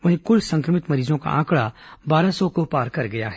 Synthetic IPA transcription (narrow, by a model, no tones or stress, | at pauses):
ʋɐɦẽkʊlsɐ̃ŋkɾəmɪt̪mɐɾiːzõka̰ʔãːkɽabaːɾasɔkopaːɾkɐɾɡɐja̰ɦɛ